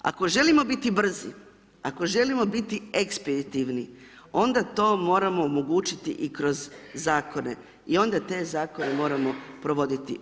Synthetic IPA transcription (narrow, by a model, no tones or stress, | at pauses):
a̰ko̞ʒe̞limo̞bit̪ibr̩zḭ | a̰ko̞ʒe̞limo̞bit̪ieksped̪it̪iʋni | o̞nd̪at̪o̞ːmo̞ːɾamo̞ːmoɡuːt͡ʃit̪ḭʔikɾo̞zːaːko̞ne̞̰ | io̞nd̪at̪e̞zaːko̞ne̞mo̞ːɾamo̞pɾo̞ʋo̞d̪it̪ḭ